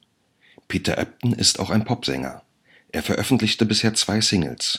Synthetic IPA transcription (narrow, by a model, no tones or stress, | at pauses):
pʰiːtɐ̰ʔɛ̰p̚tn̩ɪ̰sta̰ʊxaɪnpʰɔpz̥ɛ̰ŋɐ̰ | ʔeːɐfɛɐʔœfn̩tlɪçtəbɪsheːɐt͡sv̥aɪsɪŋl̩s